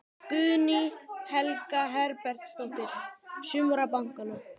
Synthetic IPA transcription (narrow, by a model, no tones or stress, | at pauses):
kʏðnihɛlkaɦɛɾpɛɾ̥t̪st̪owt̪ɪɾ̥sʏːmuɾapawŋ̥kʏna